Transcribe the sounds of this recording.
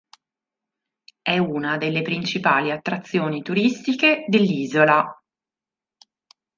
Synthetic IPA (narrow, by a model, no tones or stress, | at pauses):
ɛunad̪elːepɾint͡ʃipaːliat̪ːɾat̪sːjoːnit̪uɾist̪iked̪elːiːzola